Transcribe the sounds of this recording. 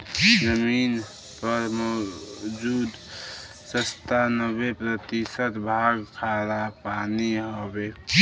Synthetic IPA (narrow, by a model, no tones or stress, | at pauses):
zəmiːn | pəɾmɔd͡ʒuːd̪ | səst̪anəbepɾət̪isət̪bʱaːɡkʰaɾapaːniɦobeː